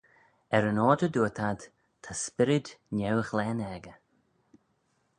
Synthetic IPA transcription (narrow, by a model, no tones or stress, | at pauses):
ɛɾənɔːdəd̪uːət̪ʰad̪ | t̪ʰaspɪɾɪd̪nʲɛwəxlɛːnɛɡə